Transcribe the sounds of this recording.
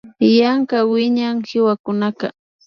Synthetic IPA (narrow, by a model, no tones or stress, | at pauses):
jaŋkawɪɲaŋhɪwakʊnaka